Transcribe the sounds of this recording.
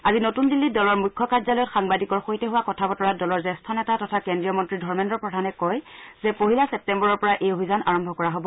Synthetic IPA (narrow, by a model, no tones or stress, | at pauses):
azinotundilːidɔlɔɹmujkʰːɔkaɹzalɔjɔtxaŋbadikɔɹxoitɛɦuwakɔtʰabɔtɔɹadɔlɔɹzɛstʰɔnɛtatɔtʰakɛndɹijɔmɔntɹidʱɔɹmɛndɔɹpɹɔdʱanɛkɔjzɛpoɦilasɛp̚tɛmbɔɹɔɹpɔɹaʔejobʱizanʔaɹɔmbʱɔkɔɹaɦobɔ